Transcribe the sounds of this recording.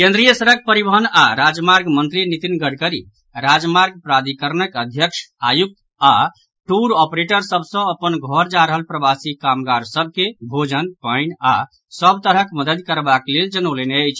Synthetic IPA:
kẽnd̪ɾijəsəɾək̚pəɾibəɦənaɾad͡ʒmaɾɡmənt̪ɾinit̪inɡəɽkəɾḭ | ɾad͡ʒmaɾɡ̚pɾad̪ikəɾnəkəd̪ʱjəkʃʰajuk̚t̪ | a | ʈuɾɔpɾeʈəɾsəbsə̃əpənɡʱɔɾd͡ʒaɾəɦəlpɾəbasikamɡaɾsəb̚kebʱod͡ʒənpəɪna | səbt̪əɾəkməd̪əd̪kəɾbakleld͡ʒənəleneəjt͡ʃʰ

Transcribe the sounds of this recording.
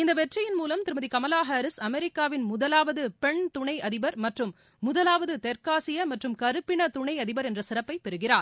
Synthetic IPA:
ɪnd̪ɐʋɛʈrɐjɪnmuːlɐmt̪ɪɾɯmɐðikɐmɐlaːɦaːɾɪsɐmɛɾɪkːaːʋɪnmʊðɐlaːʋɐðɯpɛɳt̪ʊɳɐɪɐðɪbɐɾmɐʈrɯmː | ʊðɐlaːʋɐðɯt̪ɛɾkaːsɪjɐmɐʈrɯmkɐɾɯpːɪnɐt̪ʊɳɐɪɐðɪbɐɾɛndrɐsɪrɐpːɐɪpːɛɾɯɣɪraːɾ

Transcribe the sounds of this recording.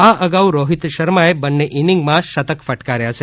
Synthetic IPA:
aəɡauɾoɦit̪ʃəɾmaebənːeʔinɪŋɡmãʃət̪əkfəʈkaɾjat͡ʃʰe

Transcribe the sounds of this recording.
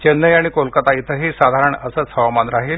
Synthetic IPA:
t͡ɕenːəjaɽ̃ikolkət̪ait̪ʰəɦiːsad̪ʱaɾəɳəsəːt͡shəʋamanɾaɦiːl

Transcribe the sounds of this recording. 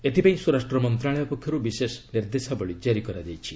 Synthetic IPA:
et̪ʰipaĩsuɾasʈɾɔmɔnt̪ɾaɭɔjɔpɔkʰːjɔɾubisesɔniɾd̪esaboɭid͡ʒaɾikɔɾad͡ʒajt͡ʃʰi

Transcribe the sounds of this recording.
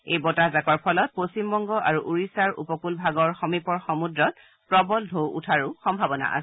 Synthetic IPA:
ejbɔtazakɔɹpʰɔlɔt̚post͡ʃimbɔŋɡɔʔaɹuʔuɹisaɹṵpɔkulbʱaɡɔɹxɔmipɔɹxɔmudɹɔt̚ | pɹɔbɔldʱowṵtʰaɹʊxɔmbʱabɔna̰ʔa̰sɛ

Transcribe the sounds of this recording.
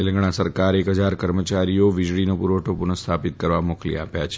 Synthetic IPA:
elə̃ŋɡɽ̃asəɾkaɾekɦəd͡ʒaɾkəɾmət͡ʃaɾijoʋɪd͡ʒɭinopuɾoʈʰopunəst̪ʰapɪt̪̚kəɾʋamoklḭa̰pjat͡ʃʰe̥

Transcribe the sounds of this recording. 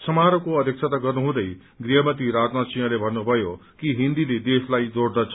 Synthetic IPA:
sʌmaɾokoʌd̪ʱjʌk̚t͡sʰat̪aɡʌrnuɦũd̪ʌj | ɡriɦʌmʌt̪iɾad͡znasijʌ̃lebʱʌnnubʱʌjokiɦind̪iled̪eslajd͡zoɽd̪ʌt͡sʰʌ

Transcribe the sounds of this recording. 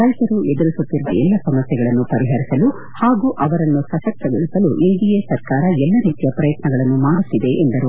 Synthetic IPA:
ɾɐjt̪ɐɾued̪uɾisut̪ːiɾuʋɐ̰ɛlːɐsɐmɐsjɐɡɐɭɐnːupɐɾiɦɐɾisɐlu | haːɡuːʔɐʋɐɾɐnːusɐʃɐk̚t̪ɐɡoɭisɐluʔinɖ̪ijesɐɾkaːɾɐɛlːɐɾiːt̪ijɐpɾɐjɐt̪nɐɡɐɭɐnːumaːɽut̪ːid̪e̞ʔːnd̪ɐɾu

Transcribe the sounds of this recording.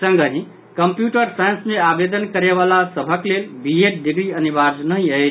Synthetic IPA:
səŋɡəɦĩ | kəmpjuʈəɾsajə̃nsmeabed̪ənkəɾeβalasəbʱəklelbieʈ̚ɖ̪iɡɾiənibaɾd͡ʒnəɦĩəjt͡ʃ

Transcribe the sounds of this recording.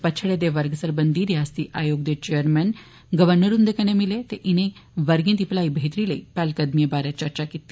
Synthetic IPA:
pət͡ʃʰəɽed̪eʋəɾɡəsəɾbə̃nd̪iɾjaːst̪iʔaːjoːɡd̪et͡ɕejəɾmɛn | ɡəʋəɾnəɾund̪ekʰənẽmɪlet̪eʔɪnẽʋəɾɡẽt̪iplaːibʱeːt̪ɾiləipɛːlkəd̪mijəbaːɾet͡ʃəɾt͡ɕakit̪e

